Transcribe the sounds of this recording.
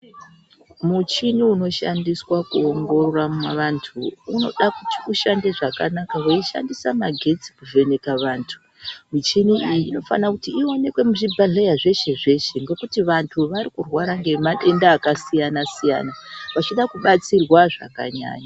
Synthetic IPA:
mut͡ʃiniuno̞ʃa̰ndiswakuoŋɡo̞roramwaʋantʰuuno̞̰ɗakuti̥uʃandeʐaka̰nakaʋoiʃa̰ndisamaɡʱe̞t͡si̥kuvʱe̞nekaʋaːntʰu̥ | mit͡ʃiniʔijiːno̞fa̰nakutiːo̞ne̞kwe̞muʐibʱaɮejaʐe̞ʃe̞ʐe̞ʃe̞ŋɡe̞kutiʋantʰuʋaɾikurwaɾaŋɡe̞maɗe̞ndaːkasijanasija̰ːnaʋat͡ʃiɗakuɓat͡sirwaʐa̰ka̰ɲa̰ːɲa

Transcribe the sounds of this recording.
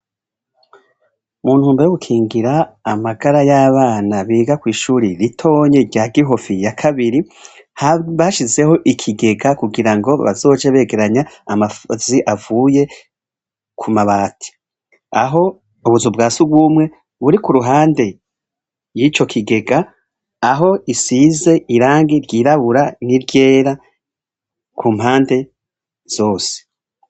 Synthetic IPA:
muːn̥huːmbejoɡukʰiːŋɡiɾaːmaɡaɾajaːβaːnaβiːɡakwiːʃuːɾiɾitʰo̞ːɲeɟaːɡiɦo̞fijakʰaβiɾi | haβaʃize̞ho̞ʔikʰiɡe̞ɡakuɡiɾaŋɡo̞βa̰zo̞ːd͡ʒeβe̞ːɡe̞ɾaɲaːmafoziʔavuːje̞ | kʰumaβaːtʰi̥ | aɦo̞ | uβuzubɡaːsuɡwumŋe̞ | βuɾikuɾuɦaːnde̞ | jit͡ʃo̞kʰiɡe̞ɡaː | ɦo̞isiːze̞ʔiɾaːŋɡiɾɟiːɾaβuɾaniɾɟe̞ːɾa | kʰuːm̥haːnde̞ | z̥o̞ːse̥

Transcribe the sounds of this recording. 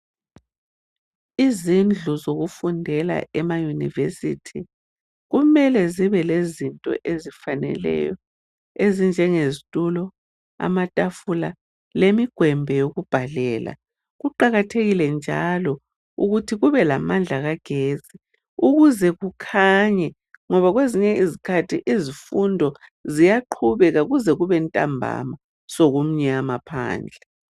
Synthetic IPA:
izind͡ɮʱuzoɣufundʱɛla̰ʔɛmajunḭvesḭtʰi | ɣumɛlɛziβɛlezintʼɔ̰ʔezifanɛ̰lɛ̰jɔ | ezind͡ʒʱɛŋezitʼulɔ | a̰matʼafula | lemiɡ̥ʱwɛmbʱɛjoɣub̥ʱalɛːla̰ | ɣuǃaɣatʰeɣilɛnd͡ʒʱa̰lɔ | uɣutʰiɣuβɛlamand͡ɮʱaɣaɡ̥ʱeːzʼi | uɣuzɛɣukʰaɲɛ | ŋɔβaɣweziɲɛizikʰatʰiʔizifundʱɔzijaǃʰuβɛɣaɣuzɛɣuβɛntʼa̰mbʱa̰ma | soɣum̩ɲɛaamapʰa̰ːnd͡ɮʱɛ

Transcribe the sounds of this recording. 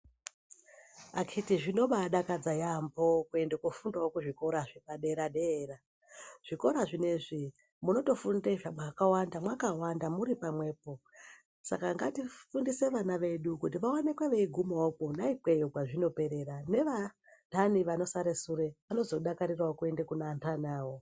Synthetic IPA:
akitiʐino̞ɓaɗakad͡zajambo̞kue̞ndekufundaokuʐiko̞ɾaʐipaɗe̞ɾaɗeːra | ʐ̥iko̞ɾaʐine̞ʐi | muno̞to̞fundeʐamwakawandamwakawandamuɾipamwe̞ːpo̞ | sa̰kaŋɡatifundise̞ʋanaʋe̞ɗukut̬iʋawane̞kweʋeiɡʱumookonaipe̞joɡwaʐino̞pe̞ɾe̞ɾane̞ʋa | taniʋano̞saɾesuɾe̞ʋano̞zo̞ɗakaɾirwaokue̞ndekunantʰanaːwo

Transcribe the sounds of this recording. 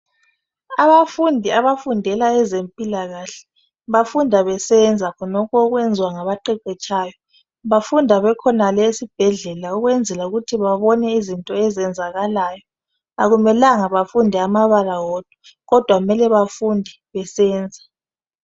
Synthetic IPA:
aβafundʱiaβafundʱɛlaɛzempʼilaɣaɬɛ̥ | βafundʱaβɛsɛnd͡zʱakʰɔnɔkʰɔɣwɛnd͡zʱiwaŋaβaǃɛǃɛt͡ʃʼaːjɔ | βafundʱaβɛkʰɔnalesib̥ʱɛɮɛlauɣwɛnd͡zʱɛlauɣutʰiβaβɔnɛizintʼɔɛzɛnd͡zʱaɣalajɔ | aɣumɛlaŋaβafundʱɛamaβalawɔːd̥ʱɔ̥ | ɣɔd̥ʱwaɣumɛlɛβafundʱɛ | βɛsɛːnd͡zʱa

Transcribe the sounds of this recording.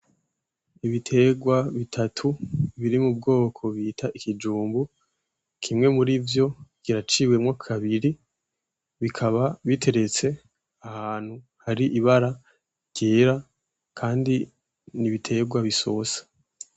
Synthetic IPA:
iβitʰe̞ɡwaβitʰatʰuβiɾimub̚ɡo̞ːkʰo̞βiːtʰaʔikid͡ʒuːmbu | kʰimŋe̞muɾivjo̞ɡ̥iɾat͡ʃiːwe̞mŋaːkakaβiɾi | βikʰaβaβitʰe̞ɾe̞t͡se̞ | ahaːn̥hu | haɾiʔiβaɾa | ɟ̥eːɾa | kʰaːndi | niβitʰe̞ɡwaβiso̞sḁ

